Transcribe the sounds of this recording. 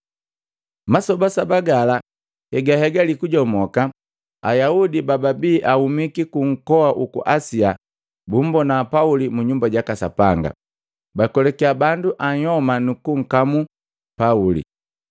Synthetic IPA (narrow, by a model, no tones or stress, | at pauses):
masɔbasabaɡala | hɛɡahɛɡalikuɟɔmɔka | ajaudibababiːʔahumikikuŋ̩kɔaʔukṵʔasia | bum̩bɔnapaulimuɲumbaɟakasa̰paŋɡa̰ | bakɔlɛkiabanduʔaɲhɔmanukuŋ̩kamu | paulḭ